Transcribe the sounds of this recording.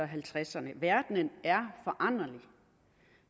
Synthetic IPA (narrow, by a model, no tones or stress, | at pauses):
ɒɦælt͡sʰʁasɐnəʋæɐd̥nənæɐfɒ̽ʔɑ̈n̰ɐli